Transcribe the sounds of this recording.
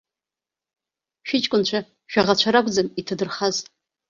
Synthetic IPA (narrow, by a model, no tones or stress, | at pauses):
ʃᶣɪt͡ʃʼkʷʼʊnt͡ʃʷʰa | ʃᶣaʁat͡ɕʷʰaɾakʷʼd͡zamitʰadɨrχaz